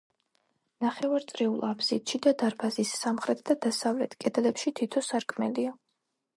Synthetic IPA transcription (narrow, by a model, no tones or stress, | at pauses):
naχɛvaɾt̪sʼɾɛulˠabzit̪ʃid̪ad̪aɾbazisːamχɾɛt̪ʰd̪ad̪asavlɛt̪ʰkʼɛd̪lɛpʃit̪ʰit̪ʰɔsaɾkʰʼmɛlia